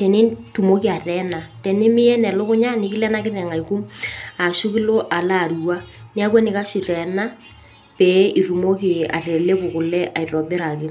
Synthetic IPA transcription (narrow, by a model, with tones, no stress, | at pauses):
tɛ˨ni˦ntu˨mo˦ki˨a˨tɛ˨na˨tɛ˨nɪ˦mɪ˦ɛ˦nɛ˨lo˦kʊ˦ɲa˦nɪ˨˦kɪ˦lɛ˦na˦kɪ˦rɛ˨ŋa˨i˨ku˦ma˨ʃu˦kɪ˦lo˦ʔa˨la˦˨ru˨wa˦nɪ˦a˦k̬wɛ˦nɪ˨ka˦si˨tɛ˨na˦ | pɛ˨˦i˨ru˨mo˦ki˨a̰˨rɛ˨le˦kʊ˨kʊ˨lɛ˦ʔa˨i˨rɔ˨bɪ˦ɾa˨kɪ˦